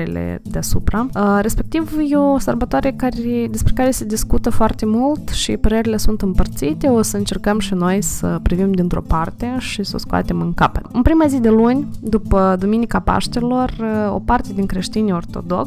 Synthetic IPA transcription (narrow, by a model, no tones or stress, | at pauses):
ilḛd̪easṵpɾaɾe̞spe̞k̚t̪ivjeosərbat̪oaɾekaɾed̪e̞spɾʲekaɾe̞se̞d̪iskut̪əfoart̪e̞mult̪ʃḭpəɾe̞ɾile̞sunt̪ɨmpərt̪sit̪e̞osəɨnt͡ʃe̞rkəmʃino̞jsəpɾivimd̪int̪ɾo̞̰part̪e̞ʃiso̰skoa̰t̪e̞mɨŋka̰pət̪ɨnpɾimazid̪e̞lunʲd̪upəd̪uminikapa̰ʃt̪elo̞ro̞̰part̪e̞d̪iŋkɾe̞ʃt̪inʲo̞rt̪o̞̰d̪o̞̰ks